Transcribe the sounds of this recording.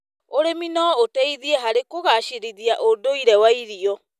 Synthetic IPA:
oɾeminɔotɛiðiɛɦaɾekoɣaʃiɾiðiaʔodoiɾɛwaiɾiɔ

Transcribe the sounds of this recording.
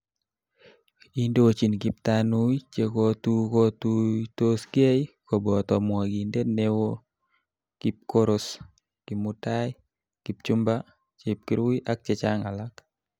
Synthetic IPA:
indowot͡ʃinkɪp̚tanuit͡ʃekotukɔtutoskejkɔbɔt̪ɔmwaɡindenewo | kip̚koɾʊs | kɪmʊtaj | kɪp̚t͡ʃʊmba | t͡ʃep̚kɪɾuiʔak̚t͡ʃɛt͡ʃaŋalak

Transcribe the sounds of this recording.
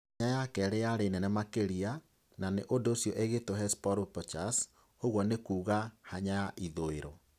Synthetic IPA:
ɲajakɛɾeaɾenɛnɛmakeɾia | naneʔodoːsjɔʔeɣetoɦɛspɔɾopɔt͡ʃas | hoɣwɔnekuːɣahaɲajaʔiðoeɾɔ

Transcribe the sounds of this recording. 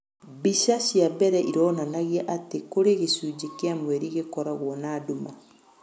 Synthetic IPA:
biʃaʃiabɛɾɛʔiɾonanaɣiaʔatekoɾeɣesud͡ʒikiamweɾiɣekɔɾaɣwɔnaːduma

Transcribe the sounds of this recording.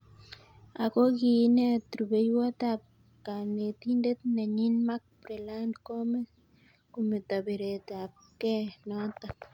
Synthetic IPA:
akoɡinet̪ɾubejwat̪ap̚ | kanet̪ind̪et̪neɲinmak̚pɾelankomes | kumet̪aβeɾet̪ap̚kenot̪ap

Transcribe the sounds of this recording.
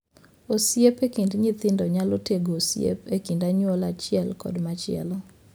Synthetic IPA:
osjepekindɲit̪ɪndɔɲaloteɡoːsjḛpekindaɲwɔlat͡ʃɪɛlkɔ̰dmat͡ʃɪɛ̰lɔ

